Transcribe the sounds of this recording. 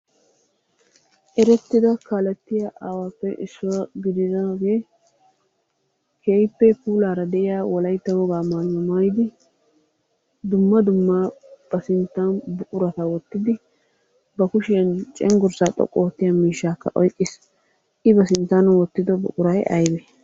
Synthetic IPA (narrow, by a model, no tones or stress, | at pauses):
ʔɛɾɛt̪ːɪd̪ɐkalɛt̪ːɪjaʔaːwaːpːɛʔɪsːʊɐɡɪd̪ɪzɐɡeː | kʰeːjpːɛpuːlaːɾɐd̪ɛʔɪjaːwɔlɐjt̪ːɐwɔɡaːmaːlːɔmɐjɪd̪ɪ | d̪ʊmːɐd̪ʊmːab̥ɐsɪnt̪ːɐnbʊʔʊɾɐt̪ɐwɔt̪ːɪd̪ɪ | bɐkʊʃɪjɐnt͡ʃʼɛŋɡʊɾsaːt̪ʼɔ̰kʼːoːt̪ːɪjamiːʃːaːkːɐ̰ʔɔjkʼːɪs | ʔɪbɐsɪnt̪ːɐnwɔt̪ːɪd̪ɔbʊ̰ʔʼʊɾɐjʔɐ̰jbɛ